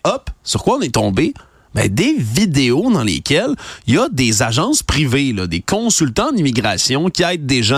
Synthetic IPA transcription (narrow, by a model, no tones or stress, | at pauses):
ɔpsyʁ̥kwaɔ̃net̪ɔ̃be | bɛ̰̃d̪evid̪eod̪ɑ̃lḛːkʲɛlijɐd̪ezaʒɑ̃spʁivelʌd̪ekʰɔ̃sylt̪ɑ̃d̪imiɡʁasjɔ̃kʲiɛjt̪̚d̪eʒã